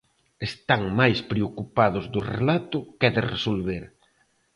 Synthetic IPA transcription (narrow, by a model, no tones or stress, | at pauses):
est̪aŋmajspɾeokupaðʊzðʊrḛlat̪ʊkɛðɪresolβeɾ